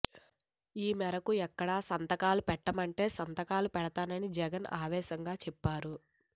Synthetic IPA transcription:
iːmɛɾɐkuɛkːɐɽaːsɐnt̪ɐkaːlupɛʈːɐmɐɳʈe̞ːsɐnt̪ɐkaːlupɛɽɐt̪aːnɐnid͡ʒɛɡɐna̰ːʋɛːʃɐŋɡaːt͡ʃɛpːaːɾu

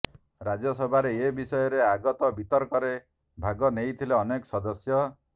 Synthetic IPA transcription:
ɾad͡ʒɔsɔbʱaɾeebisɔjɔɾeaɡɔt̪ɔbit̪ɔɾkɔɾe | bʱaɡɔnejt̪ʰileɔnekɔsɔd̪ɔsjɔ

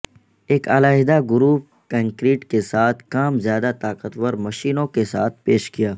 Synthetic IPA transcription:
eːkaːlaːɦɪd̪aɡʊɾuːp̚ | kə̃ŋkɾiːʈkesaːt̪ʰkaːmzjaːd̪at̪aːqət̪wəɾmɐʃiːnõkesaːt̪̚ʰpeːʃɡijaː

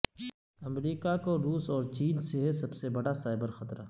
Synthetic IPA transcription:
ɐmɾiːkakoɾuːsɔːɾt͡ʃiːnseɦesɐbsebɐɽasaːɪbəɾxɐt̪ɾa

